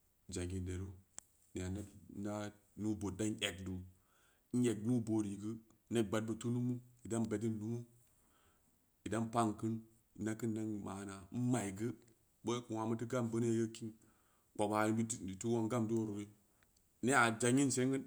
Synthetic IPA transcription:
d͡ʒa˨ɡi˨de˨ɾo˦ | ni˨a˨ne˦da˦ | nu˦bo˨tda˦n˦e˨kdu˨ | n̩˦je˨knu˦bo˨ɾi˨ɡɨ˦ | ne˦t̚ɡ͡ba˨d̚bə˨tu˦nu˦mu˦i˨da˦nbe˨d̬i˦nnu˦mu˦ | i˨da˦npa˦ŋkɨ˦n | i˨na˦kɨ˦nda˦n˨ma˨na˨˦ma˨jɡɨ˦ | bo˦ku˨wa˨mə˦ti˦ɡa˦mbə˦n˦a˨jə˦ki˦n | k͡po˨ba˨˦i˦i˨tu˦wo˦ŋɡa˦mdu˦o˦ɾo˨ɡi˦ | ne˦a˨d͡ʒa˨ɲi˦nse˦ŋɡə˦n

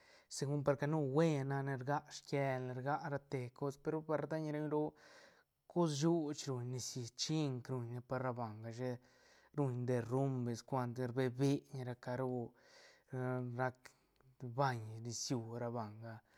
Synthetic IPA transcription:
se˧ɡu˦mpa˧ɾka˧nu˦we˦na˧ne˧ɾɡa˦ʔʂke˧le˧ɾɡa˦ʔɾa˧t̪e˧ko˦spe˧ɾo˦pa˧ɾd̪a˦ɲ˧ɾe˧ɲɾo˦ | ko˦s̬ju˦t͡ʃɾu˧˨ɲni˧si˧˨t͡ʃi˦ŋkɾu˧ɲne˧pa˧ɾɾa˧ba˨ŋɡa˧ʃe˦ | ɾu˧ɲd̪e˧ru˦mbe˨skʷa˧nt̪ɾbe˧be˦ɲ˧ɾa˧ka˧ɾu˦˧ | ɾa˧k | ba˧ɲni˧sju˧˨ɾa˧ba˨ŋɡa˧

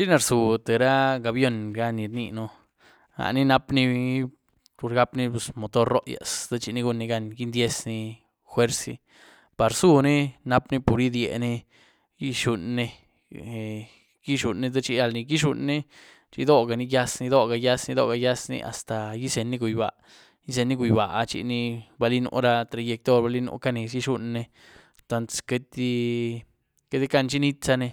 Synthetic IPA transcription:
t͡ʃi˦na˧ɾsu˨t̪e˨ɾa˦ɡa˨bjo˧nɡa˦ni˧˨ɾnḭ˧no˧ | ha̰˨ʔni˦na˧pni˦ | pu˨ɾɡa˦pni˦pu˨smo˨t̪o˦ɾːo˦ʔja̰˨sd̪a˦t͡ʃi˧ni˧˦ɡu˧nːi˧ɡa˧nɡi˦nd̪ʲje˦sni˧ | xwe˦ɾsḭ˧ | pa˨ɾsu˦ni˦na˦pni˦pu˨ɾi˦d̪jḛ˨ni˦ | ji˦ʃu˧nːi˧˨ | ɡi˦ʃu˨nːe˧d̪a˦t͡ʃi˧˦ja˧lni˧ɡi˦ʃu˧nːe˦ | t͡ʃḭ˧d̪o˦ɡa˨ni˧ja˦sni˧d̪o˦ɡa˧ja˦sni˧d̪o̰˦ɡa˧ja˦snḭ˧ʔa̰˨st̪a˨ji˦se˨nːi˦ɡu˨jba̰˨ʔ | ji˦s̬e˧nːi˦ɡu˨jba˨ʔt͡ʃḭ˧ni˧ba˧li˦no̰˧ɾa˧t̪ɾa˧je˧k̚t̪o˦ɾba˧li˦no̰˧ka˦ne˨sji˦ʃu˧nːe˧ | t̪a˧nt̪ske˧t̪i˦ | ke˦t̪i˦ka˦nt͡ʃi˦ni˦t̪sa˧ne˧

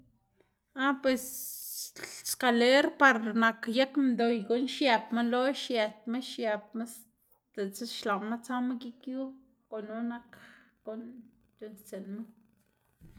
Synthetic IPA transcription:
a˦pwe˧s | ska˧le˦ɾpa˧ɾna˧kja˦kmd̪o˨jɡo˨nʃja˧pma˦lo˦ʃja˧t̪̚ma˦ʃja˧p̚ma˦s | t̪e˨t͡se˦ʃla˨nma˦t͡sa˦ma˦ki˦kju˦ | ko˨no˦na˦kko˨n | t̪u˧nt͡se˨nma˦

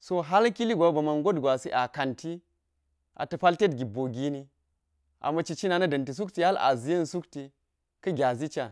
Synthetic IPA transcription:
so˦ɦa˦lki˦li˦ɡʷa˨˦bɐ˨ma˨nɡo˦dɡʷa˨si˦ʔa˨ka˨ntʰi˦ | ʔa̰˨tɐ˨pa˦lte˦tɡʲi˨bo˨ɡʲi˦ni˦ | ʔa̰˨mɐ˨t͡ʃi˨t͡ʃi˦na˨nɐ˦dɐ˨nti˨s̬u˦kti˨ha˦la̰˨zi˨jɐ˦nsu˦kti˨ | kɐ˦ɡʲa˨zi˦t͡ʃa˨

